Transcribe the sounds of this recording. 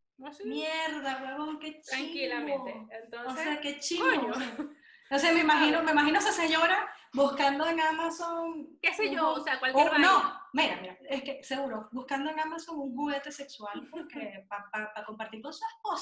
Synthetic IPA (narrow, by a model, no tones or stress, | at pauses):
mjeɾðawaβoŋke̞t͡ʃɾailamoeent̪onosseake̞t͡ʃiooɲo | nosemeimaxinomeimaxinoeseseɲo̞ɾabuskand̪o̞eŋamasoŋeseooseakwalkɾnomiɾamiɾae̞ske̞se̞ɣuɾo̞buskand̪oeŋamaso̞ŋuŋɦuɣe̞t̪e̞se̞kswalpoɾkepapapako̞mpaɾt̪iɾkonsuehpos